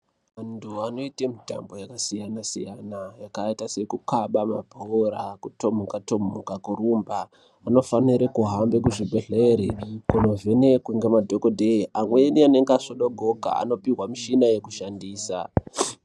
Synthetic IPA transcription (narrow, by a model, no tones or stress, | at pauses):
antuano̞itemita̰mbo̞jakasijanasḭjanajakaitase̞kukaɓamabʱoɾakuto̞mukato̞mukakuɾuːmbaː | no̞faniɾekuɦambe̞kuʐibʱe̞ɮeɾekuno̞vʱene̞kweŋɡemadʱokodʱeʔamweniane̞ŋɡaʂoɗoɡʱo̞ɡʱa̰a̰no̞piɦwamiʃinajekuʃandiːsa̰